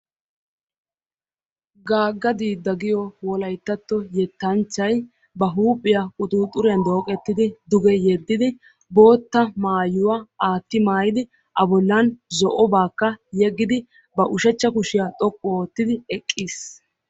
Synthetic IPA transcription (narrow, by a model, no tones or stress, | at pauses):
ɡaːɡːɐd̪iːd̪ːɐɡɪjɔwɔlɐjt̪ːɐt̪ːɔjɛt̪ːɐnt͡ʃːɐj | bɐɦuːpʼːɪjakʼʊt̪ʼuːt̪ʼːʊɾɪjɐnd̪o̞ːkʼɛt̪ːɪd̪ɪd̪ʊɡɛjɛd̪ːɪd̪ɪ | bo̞ːt̪ːɐmaːjʊwaaːt̪ːɪmaːjɪd̪ɪ | ʔɐbɔlːɐnzɔʔɔbaːkːɐjɛɡːɪd̪ɪ | bɐʔʊʃɛt͡ʃːɐkʊʃɪjat̪ʼɔkʼːɔoːt̪ːɪd̪ɪɛkʼːis